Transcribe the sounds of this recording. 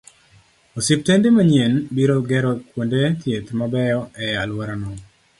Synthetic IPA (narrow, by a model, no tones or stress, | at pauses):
osɪp̚tendemaɲienbiɾoɡɛɾɔkwondet̪jet̪mabɛjɔʔɛjalwaɾanɔ